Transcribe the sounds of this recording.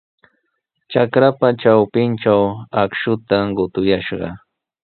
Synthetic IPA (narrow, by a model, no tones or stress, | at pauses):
t͡ʃakɾapat͡ʃawpɪnʈ͡ʂawakʃʊt̪aɢʊt̪ʊjaʃɢɑ̰